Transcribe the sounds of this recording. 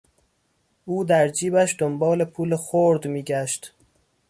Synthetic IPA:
ʔuːd̪æɾd͡ʒiːbæʃd̪ombɒːle̞pʰuːlexoɾd̪miːɟæʃt̪

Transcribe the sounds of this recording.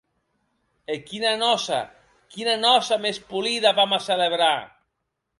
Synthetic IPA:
ekinanɔsa̰ | kinanɔsamespuliðaβamaseleβ̞ɾa

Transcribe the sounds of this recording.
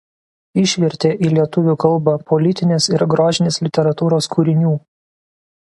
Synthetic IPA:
ɪʃʲʋʲɛɾʲt̪ʲeːʔiːlʲiɛt̪ʊʋʲuːˑkɐlˠˑbɐpɔlʲɪt̪ʲɪnʲeːsɪɾɡɾoːʒʲɪnʲeːslʲɪt̪ʲɛɾɐt̪uːɾoːskuːɾʲɪnʲuː

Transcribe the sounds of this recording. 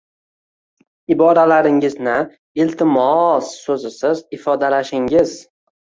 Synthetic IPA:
ɪbɒɾalaɾɪŋɪznɪ | ɪlt̪ʰɪmɒsːɵzɪsɪzɪfɒd̪alaʃɪŋɪz

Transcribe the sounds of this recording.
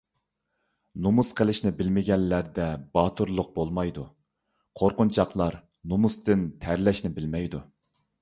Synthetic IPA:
numusqʰəlˠɪʃnɪbɪlmɪɡʲɛnlæɾd̪ɛbɑːt̪ʰuɾlˠʊq̚bolˠmɑjd̪u | qʰoɾqʊnt͡ʃʰɑqlˠɑɾ | numust̪ɪnt̪ʰæɾlɛʃnɪbɪlmɛjd̪u

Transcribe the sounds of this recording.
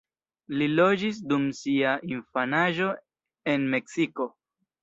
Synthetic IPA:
lilo̞d͡ʒis̬dumsiaʔinfanaʒo̞ | e̞nme̞ksiko̞

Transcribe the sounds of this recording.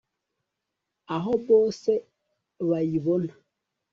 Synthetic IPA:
aɦɔbɔsɛ | βajiβon

